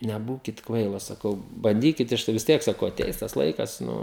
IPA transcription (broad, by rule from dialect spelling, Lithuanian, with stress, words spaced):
nʲɛˈbuːkʲɪt ˈkʋɐɪlˠoːs sɐˈkɐʊ bɐnʲˈdʲiːkʲɪt ˈɐʃ tɐɪ ʋʲɪs ˈtʲiɛk sɐˈkɐʊ ɐˈtʲɛɪs tɐs ˈlˠɐɪkɐs ˈnʊ